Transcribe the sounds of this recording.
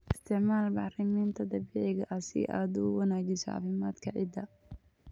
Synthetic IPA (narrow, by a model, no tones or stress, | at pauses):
ʔɪst̪ʰɪʕmaːlbɑħrɐmiːnt̪ʰɐd̪ɐβiːʕɪɣɐʔɐsɪ̰ʔa̰ːd̪ʊʊwɐnaːt͡ʃɪsɔɑ̰ːfɪmaːd̪kʰɐʕɪ̰d̪ɐ